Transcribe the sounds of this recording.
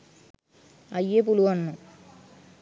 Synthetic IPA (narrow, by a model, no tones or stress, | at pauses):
ɐjep̬uluɐnːu